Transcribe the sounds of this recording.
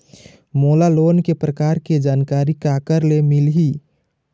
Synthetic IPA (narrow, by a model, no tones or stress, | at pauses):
moːlaloːnkepɾəkaːɾked͡ʒaːnkaːɾikakəɾlemilɦi